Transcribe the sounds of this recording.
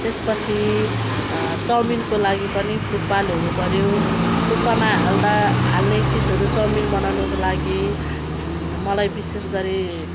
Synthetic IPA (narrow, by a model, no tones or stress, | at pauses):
t̪espʌt͡sʰi | t͡sʌminkolaɡipʌnipʰuʈ̚balonupʌɾjotupʌnaɦald̪aɦalnet͡sinʌɾut͡sʌminbʌnawnukolaɡi | mʌlajbisesɡʌɾe